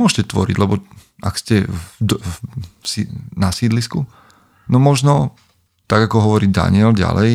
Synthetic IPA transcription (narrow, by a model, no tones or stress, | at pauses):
ʊɔʃcɛt̪ʋɔ̰ɾḭɟlɛbɔa̰kscɛd̪ | sinasiːd̪lisku | nɔmɔʒnɔ | t̪aɡakɔɦɔʋɔɾiːd̪a̰nɪɛlɟa̰lɛj